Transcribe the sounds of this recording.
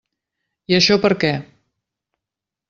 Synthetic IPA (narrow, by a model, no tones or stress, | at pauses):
iəʃɔpəɾkɛ